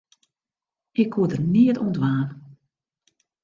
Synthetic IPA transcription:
ɪkhuədərniətṵndʋaːn

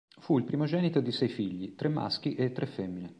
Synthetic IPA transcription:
fuilpɾimod͡ʒɛːnit̪od̪isɛjfiʎːit̪ɾemːa̰sk̟iʔet̪ːɾefːɛmːine

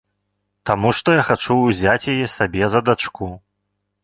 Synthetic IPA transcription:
t̪amuʂt̪ɔjaxat͡ʂuːzʲat͡sʲjajɛsabʲɛzɐd̪at͡ʂku

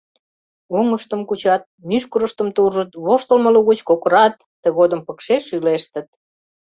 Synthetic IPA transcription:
oŋəʃt̪əmkut͡ɕɑt̪̚myʃkəɾəʃt̪əmt̪uʒət̪βoʃt̪əlməluɣut͡ɕkokɾɑt̪ːəɣod̪əmpəkʃeʃyleʃt̪ə̆t̪̚

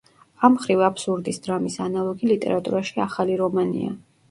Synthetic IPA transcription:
amχɾivapsuɾd̪isd̪ɾamisanalˠɔɡilit̪ʼɛ̰ɾat̪ʼṵɾaʃiaχaliɾɔmanḭa̰

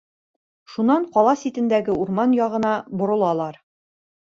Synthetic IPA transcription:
ʃunɑɴqɒlˠɑsit̪ɘ̆nd̪æɡɘuɾmɑnjɒʁɤ̆nɑbŏɾɤ̆lˠɑlˠɑɾ

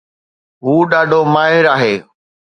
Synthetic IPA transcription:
ɦuːɗaːɖʱomaːɦɪɾaːɦeː

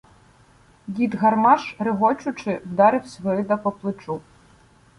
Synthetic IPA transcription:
jʲid̪ɣɐrmɑʃɾɪɦɔt͡ʃʊt͡ʃɪwd̪ɑɾɪwsʲʋɾɪd̪ɐpɔplˠɪt͡ʃu

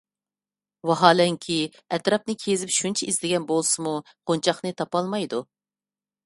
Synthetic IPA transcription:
wɑɦɑːlɛŋkʲʰi | ɛt̪ɾɑp̚nɨkʲʰezɪpʃunt͡ʃʰɛizlɪɡʲɛnbolˠsɨmu | qʰont͡ʃʰɑχnɨt̪ʰɑpɑlˠmɑjd̪u

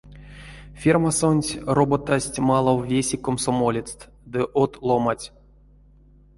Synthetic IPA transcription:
fʲirmasonʲtʲrobot̪asʲtʲmalˠowvʲesʲikomsomolʲit͡s̪t̪ | d̪ɨʔot̪lˠomatʲ

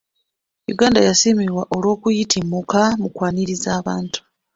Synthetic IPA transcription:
jṵɡaːndajasimiɾwaʔo̞lwo̞ːkujitʰimukamukwaːniɾizaːβaːntu̥

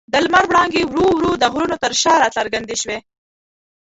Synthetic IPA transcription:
d̪əlmaɾwɽɑŋɡewɾuwɾud̪əɣɾunot̪əɾʃɑɾɑt͡ɬaɾɡand̪iʃwe

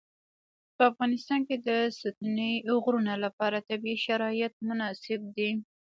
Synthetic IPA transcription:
pəafɣɑnɪst̪ɑnked̪əsat̪unəjʊɣɾunalapɑɾat̪abiiʃaɾɑjat̪̚mʊnɑsɪb̚d̪i

